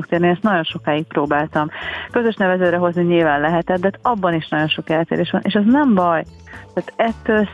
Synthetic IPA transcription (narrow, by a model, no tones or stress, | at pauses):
k̚t̪eːrniɛst̪nɒɟo̞nʃo̞kaːik̚pɾoːbaːlt̪ɒmkø̞zø̞ʃnɛvɛzɛːd̪ɾɛɦo̞zniɲilvaːnlɛɦɛt̪ɛd̪̚d̪ɛt̪ɒbːɒniʃnɒɟo̞nʃo̞kɛlt̪ḛːɾeːʃʋɒ̰nḛːʃɛznɛmbɒj | t̪æːt̪ɛt̪ːøːls